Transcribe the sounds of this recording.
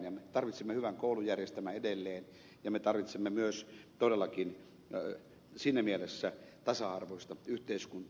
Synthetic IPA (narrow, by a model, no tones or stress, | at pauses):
njɑmet̪ɑrʋit̪semːehyʋæŋkoˑulujærjest̪æmæedelːeːn | jɑmet̪ɑrʋit̪semːemyøst̪odelːɑkin | sinːæmielesːæt̪ɑsɑɑrʋoisʲt̪ɑyht̪eiskunt̪ː